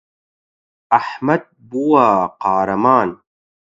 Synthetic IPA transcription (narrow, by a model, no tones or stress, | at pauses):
aħmɐd̪̚buwaːqɑːɾɐmaːn